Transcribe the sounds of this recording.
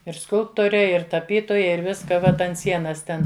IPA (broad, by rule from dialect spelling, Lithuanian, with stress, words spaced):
ɪr ˈskʊlˠptoːrʲɛ ɪr tɐˈpʲiːtoːjɛ ɪr ˈʋʲɪskɐ ˈʋɐt ɐnt ˈsʲiɛnɐs ˈtʲɛn